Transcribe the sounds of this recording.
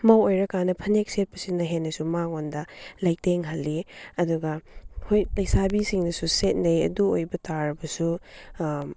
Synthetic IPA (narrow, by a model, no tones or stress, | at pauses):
mawojɾɐkanɐpʰɐnek̚set̚pʰɐsinːɐɦenːɐsumaŋondɐlaj̚teŋɦɐlːiɐduɡɐhojlajsabisiŋnɐsuset̚nɐjɐ̰duojbɐtaɾɐbɐsu